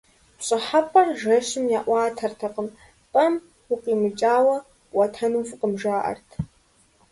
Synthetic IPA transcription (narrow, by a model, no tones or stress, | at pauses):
ɕʼɐħapʼɐrʒɐʃɪmjaːʔʷɑːtʰɐrtʰɐqʼəm | pʼɐm | ʊqʼiːmɨt͡ʃʼaːwɐ | ɐtʰɐnufɨqʼəmʒaːʔɐ̰rtʰ